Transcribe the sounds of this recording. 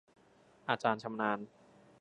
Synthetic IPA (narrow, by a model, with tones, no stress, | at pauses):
ʔaː˧t͡ɕaː˧nt͡ɕʰa˧mnaː˧n